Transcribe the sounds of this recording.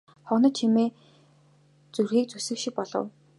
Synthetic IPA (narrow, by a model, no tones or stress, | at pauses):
χɔnɞ̆t͡ɕʰimeː | t͡surxiːk̚t͡susɘ̆kʃĭk̚pɔɮɞ̰̆w